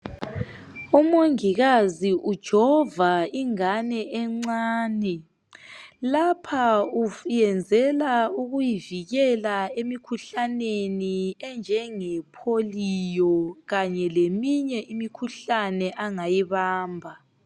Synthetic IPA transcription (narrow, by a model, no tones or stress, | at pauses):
umoŋiɣaziʔud̥ʒ̥ʱɔvaiŋanɛʔɛŋ͡ǀaːnɛ | lapʰaujɛnd͡zʱɛlauɣujiviɣɛlaemikʰuɬaneniɛnd͡ʒʱɛŋɛpʰolijɔɣaɲɛlemiɲɛʔimikʰuɬanɛʔaŋajiβaːmbʱa